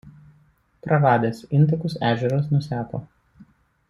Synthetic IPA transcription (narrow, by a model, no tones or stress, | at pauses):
pɾɐɾɑːd̪ʲeːsɪnt̪ɐkʊsæːʒʲɛɾos̬nʊsʲæːt̪o̰ː